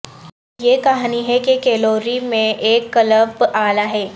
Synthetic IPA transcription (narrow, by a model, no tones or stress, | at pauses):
jekaɦniɦɛkekeːloːɾimẽʔeːkːɐləbaːlaɦɛː